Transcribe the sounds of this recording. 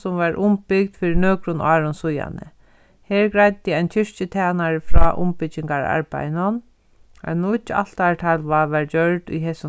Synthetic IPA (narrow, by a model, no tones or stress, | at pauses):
sʊmʋaɹʔʊmpɪk̚d̪fiːɾɪnøːkɾʊnʔɑːɾʊnsʊja̰nə̰ | hɛːɹɡɾajt̪ɪajnt͡ʃʰɪʂt͡ʃɪt̪ʰaːnaɹfɾɔːʔʊ̰mpɪɪŋkaɹa̰ɹpa̰jnʊn | a̰nuɪt͡ʃːa̰l̥t̪aɹʈʰalʋaʋaɹd͡ʒœɹɖʊ̰jɦeːsʊ